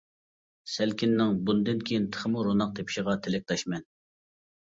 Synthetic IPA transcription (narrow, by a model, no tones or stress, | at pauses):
sælkʲinːɪŋbund̪ɨnkʲʰejint̪ʰə̥χəmuɾonɑq̚t̪ʰepʰi̥ʃəʁɑt̪ʰelɪk̚ʲt̪ʰɑʃmɛn